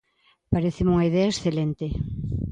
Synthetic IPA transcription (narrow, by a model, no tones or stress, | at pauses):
paɾeθɪmuŋɐiðeɐesθelent̪e